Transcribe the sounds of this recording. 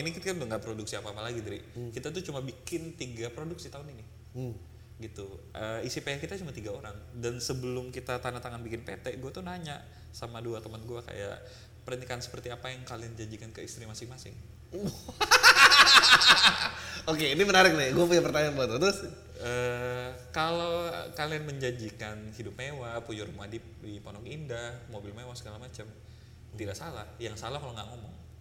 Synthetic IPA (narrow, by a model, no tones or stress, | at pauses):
inikit̪akandaŋɡaʔpɾoduksiapaːpalaɡidaɾḭkit̪at̪ut͡ʃumabikɪnt̪iɡapɾoduk̚sit̪aʊnini | ɡit̪uʔəisipajahkit̪at͡ʃumat̪iɡaoɾaŋdansəbəlʊmkit̪at̪anat̪aŋanbikɪnpet̪ɛʔɡuat̪unaɲa | samaduat̪əmənɡuaka̰ja̰ʔ | pəɾənikansə̥pərt̪iapajaŋkaliand͡ʒaɲd͡ʒikankəist̪ɾimasɪŋmasɪŋ | okeinimənaɾɪk̚laɡuapuɲapərt̪aɲanbaat̪at̪ʊs | ə | kalokalianməɲd͡ʒaɲd͡ʒikanhidʊp̚mewapud͡ʒuɾumadɪp̚dipɔnɔkindahmobɪlmewasə̥kalamat͡ʃam | t̪idaʔsalahjaŋsalahkaloŋɡaʔŋomɔŋ